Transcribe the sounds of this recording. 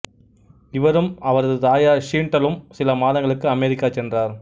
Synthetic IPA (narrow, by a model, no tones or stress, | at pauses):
ɪʋɐɾɯmɐʋɐɾɐðɯd̪aːjaːʂiːɳʈːɐlɯmsɪlɐmaːlɐŋɡɐɭɯkːɯɐmɛɾɪkːaːt͡ʃɛndraːɾ